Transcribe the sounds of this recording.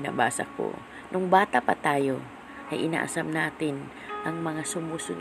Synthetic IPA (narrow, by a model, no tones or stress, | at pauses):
na̰baːsa̰ko̰ | nʊŋbaːt̪apat̪aːjo | ʔajʔɪna̰ːʔasamnaːt̪ɪn | ʔɐŋmɐŋasʊmusʊɡ